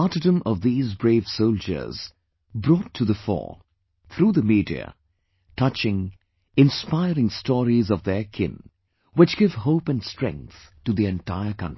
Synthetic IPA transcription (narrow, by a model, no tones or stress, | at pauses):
ɑɾɨdə̃mʌvðiːzbɹeɪv̥soʊld͡ʒə̰˞z̥ | bɾɔtʰːɨðəfɔ̰ | θʰɾuːðəmiːdḭɨ̰ | tʰʌt͡ʃɪ̃ŋ | ɪ̃nspaɪɾɪ̃ŋstɔːɹizʌvðə˞kʰɪ̰̃n | wɨt͡ʃɡ̥ɪv̥ɦoʊpɨ̃nstɹ̥ɛ̰̃ŋk̚θtɨðiɛ̃ntʰaɪə˞kʰʌ̰̃nti̥